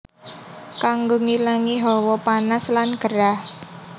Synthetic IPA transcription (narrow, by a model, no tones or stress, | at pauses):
kaŋɡoŋilaŋiɦɔwɔpanaslanɡ̥əɾah